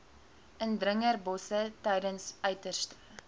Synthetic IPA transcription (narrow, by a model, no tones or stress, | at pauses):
əndrəŋərbɔsətɛjdənsœɥtərstə̥